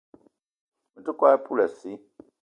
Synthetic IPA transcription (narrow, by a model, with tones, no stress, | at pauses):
mu˨tu˦kwa˦pʰu˦la˨si˦